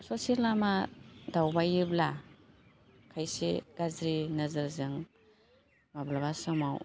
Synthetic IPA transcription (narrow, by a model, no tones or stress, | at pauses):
sosilamadawbajɯbla | kʰajsḛɡ̥azɾinɐzɯɾzɯŋ | mablaβasɯmaw